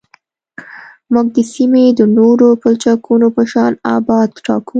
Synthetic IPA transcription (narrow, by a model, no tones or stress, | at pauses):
muɡ̚d̪əsimed̪ənoɾopəlt͡ʃɑkunopəʃɑnɑ̰bɑd̪ʈɑ̰ku